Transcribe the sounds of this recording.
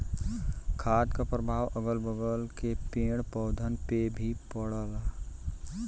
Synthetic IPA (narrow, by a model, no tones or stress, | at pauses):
kʰaːd̪kapɾəbʱaːʋʔəɡəlbəɡəlkepẽːɽpɔʊd̪ʱənpebʱipəɽəlaː